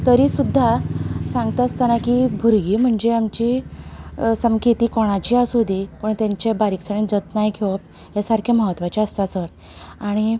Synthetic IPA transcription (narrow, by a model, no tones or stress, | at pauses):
t̪əɾiːsud̪ʱːasãŋɡt̪aəst̪anakibʱuɾɡiːm̤əɳd͡zeamt͡ɕi | səmkʰit̪iːkɔɽ̃at͡ɕiːasod̪ipəɳt̪aɲt͡ɕebaɾiksəɳid͡zət̪najkʰeʋp̚ | jasaɾkʰeməɦət̪ːʋat͡ɕeəst̪asəɾ | aɽ̃i